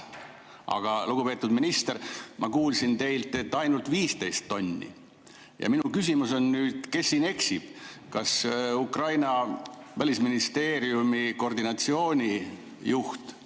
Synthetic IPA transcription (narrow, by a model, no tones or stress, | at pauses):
ʔɑ̰ɡ̥ɑluɡ̥upe̞ːt̪ːˑud̪minist̪ermʔɑkuːlsint̪e̞jlt̪ːe̞t̪ːɑjnult̪viːst̪e̞jst̪ːo̞nʲːḭ | jɑ̰minukys̬ʲimuso̞nnyːd̪̥ke̞sːiːne̞ksib̥kɑsukrɑjnɑvælʲisminist̪e̞ːɾjumiko̞rd̪inɑt̪sio̞ːnʲi | juht̪